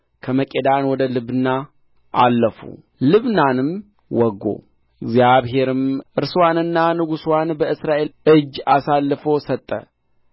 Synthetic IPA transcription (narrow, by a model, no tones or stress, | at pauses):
kʰəməkʼed̪anwɔd̪əlɨβɨna | ʔa̰lːəfṵ | lɨβnanɨm | wɔɡːo̰ | ɪɡzjaβɦe̞ɾɨmʔɨɾswanɨnːanɨɡuswanbəɨsɾaʔe̞lɨd͡ʒːasalːfosət̪ʼːə̰